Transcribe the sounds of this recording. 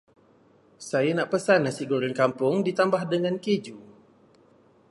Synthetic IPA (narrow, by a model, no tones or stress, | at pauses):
sajanaʔpəsanːasiɡoɾənkampʊŋdit̪ambahdəŋãnked͡ʒu